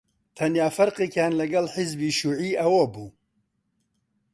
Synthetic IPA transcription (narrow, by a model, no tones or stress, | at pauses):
t̪ʰɐnjaːfɐɾqekʰaːnlɐɡɐlħɪzbiːʃuːʕiːʔɐwobuː